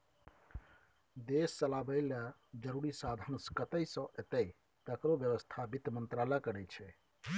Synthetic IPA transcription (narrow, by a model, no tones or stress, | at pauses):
d̪esːəlabəɪləd͡ʒəɾuɾisad̪ʱənskət̪əjsə̃ʔet̪əj | t̪əkɾobjəʋəst̪ʰabit̪mənt̪ɾalakəɾɛt͡ʃʰɛ